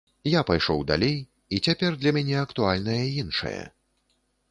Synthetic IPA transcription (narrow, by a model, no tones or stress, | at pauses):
japajʂɔwd̪a̰lʲej | it͡sʲapʲɛrd̪lʲɐmʲɛnʲɛɐkt̪ualʲnɐjɐinʂɐ̰jɐ̰